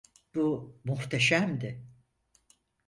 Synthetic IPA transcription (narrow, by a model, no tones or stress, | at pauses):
b̥umuht̪ʰeʃæmd̪ɪ